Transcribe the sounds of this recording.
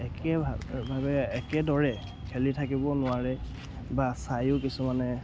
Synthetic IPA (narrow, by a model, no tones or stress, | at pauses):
ɛkɛbʱabʱabɛɛkɛdɔɹɛ | kʰɛlitʰakibɔnʊaɹɛ | basajʊkisumanɛ